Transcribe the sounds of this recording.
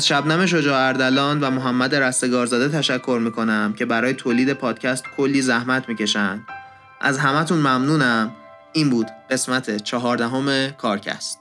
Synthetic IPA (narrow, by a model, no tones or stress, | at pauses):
æzʃæbnæme̞ʃ̬o̞d͡ʒɒːæɾd̪ælɒːnvæmoɦæmːæd̪e̞ɾæst̪e̞ɡɒːɾzɒːd̪et̪ʰæʃækʰːo̞ɾmiːkʰo̞næmcʰe̞bæɾɒːjet̪ʰoːliːd̪e̞pʰɒːd̪̥cʰæst̪kʰo̞lːiːzæhmæt̪ʰmiːce̞ʃænd̪̥ | ʔæ̰zɦæmæt̪ʰunmæmnuːnæm | iːnbuːd̪̥ɢe̞smæt̪ʰet͡ʃʰɒɦɒːɾd̪æɦo̞me̞kʰɒːɾcʰæ̰st̪